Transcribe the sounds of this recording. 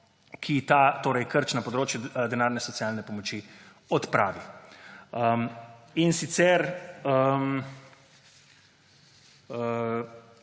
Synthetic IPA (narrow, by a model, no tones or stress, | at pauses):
kʰit̪at̪oːɾɛjkəɾt͡ʃnɐpɔd̪ɾoːt͡ʃjud̪ɛnaːɾnɛsɔt̪sijaːlnɛpɔmɔt͡ʃi | ɔt̪pɾa̰ːʋi | əminsit̪sɛɾəm | ə